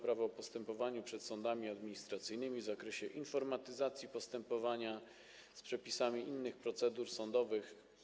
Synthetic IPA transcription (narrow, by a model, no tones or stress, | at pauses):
pɾavɔːpɔst̪ɛmpɔvaɲupʂɛt̪sɔnd̪amʲiad̪mʲiɲist̪ɾat̪sɘjnɘmʲivzakɾɛɕɛʔinfɔɾmat̪ɘzat̪sʲjipɔst̪ɛmpɔvaɲa | spʂɛpʲisamʲiʔinːɘxpɾɔt̪sɛd̪uɾsɔnd̪ɔvɘx